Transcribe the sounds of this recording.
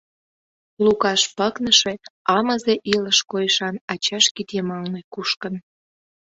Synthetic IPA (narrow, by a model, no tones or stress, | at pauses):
lukɑʃpəknəʃeɑməzeʔiləʃkojəʃɑnɑt͡ɕɑʃkit̪emɑlnekuʃkən